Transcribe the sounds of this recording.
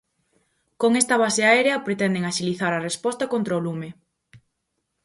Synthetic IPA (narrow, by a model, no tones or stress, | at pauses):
koŋest̪ɐβaseaeɾeɐpɾet̪ɛnd̪eŋaʃiliθaɾɐrespɔst̪ɐkont̪ɾaolume